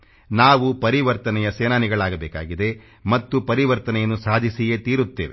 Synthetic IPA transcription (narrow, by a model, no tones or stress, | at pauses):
naːʋupɐɾiʋɐɾt̪ɐnɛjɐseːnaːniɡɐɭaːɡɐbeːkaːɡid̪e̞ | mɐt̪ːupɐɾiʋɐɾt̪ɐnɛjɐnːusaːd̪ʱisiɡe̞t̪iːɾut̪ːḛːʋe